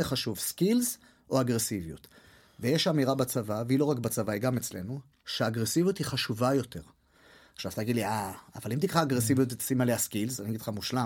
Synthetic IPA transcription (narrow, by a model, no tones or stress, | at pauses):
eχaʃuvskilz | ʔo̞aɡʁesivijut̪ | vejeʃamiʁabat͡savaveilo̞ʁakbat͡savaiɡamet͡sle̞nu | ʃeːɡʁesivijut̪hiχaʃuvajo̞te̞ʁ | aʃavḁt̪ajaɡid̪liʔa̰ːvalimt̪ikχaːɡʁesivijut̪etsimaleaskilzaniaɡid̥χamuʃla